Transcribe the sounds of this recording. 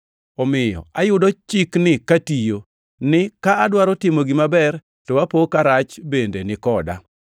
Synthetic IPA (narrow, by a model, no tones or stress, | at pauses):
ɔmɪjɔ̰ajʊdɔt͡ʃɪknɪkatijo | nɪkaːdwaɾɔtɪmoɡɪmabɛr | tɔwapokaɾat͡ʃbendenɪkɔda̰